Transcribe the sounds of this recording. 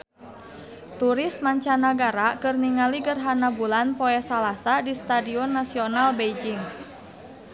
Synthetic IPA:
t̪uɾismaɲt͡ʃanaɡaɾakɨrniŋaliɡərɦanabulanpɔɛsalasadist̪adiɔnːasiɔnalbejd͡ʒiŋ

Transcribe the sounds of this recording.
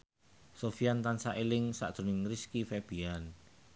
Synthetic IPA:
sofiant̪ansaʔelɪŋsa̰ʔd̪̥o̤nɪŋriskifɛb̥ian

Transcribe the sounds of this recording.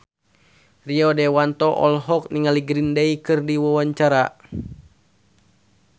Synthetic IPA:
riɔdɛwant̪ɔʔɔ̰lɦɔk̚niŋaliɡɾindeikɨrdiwawaɲt͡ʃaɾa

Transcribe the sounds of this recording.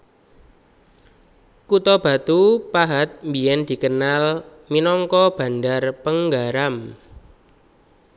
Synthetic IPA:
kut̪ɔb̥a̤t̪upaɦat̪̚mbijɛnd̪̥i̤kənal | minɔŋkɔb̥a̤ndarpəŋɡaɾam

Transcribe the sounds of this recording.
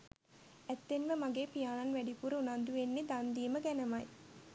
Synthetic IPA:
æt̪ːenʋemaɡeːpijaːnɐnʋæɖipuɾəunand̪uʋenːed̪and̪iːməɡænɐmɐj

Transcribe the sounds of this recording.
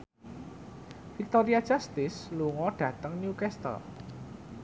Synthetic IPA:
fik̚t̪ɔɾiad̥ʒ̥ast̪ɪsluŋɔɖ̥ä̤t̪əŋnjukɛst̪ɔ̰

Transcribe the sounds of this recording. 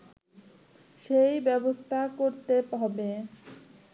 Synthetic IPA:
ʃejbɛbost̪ʰakoɾt̪epɦɔbe

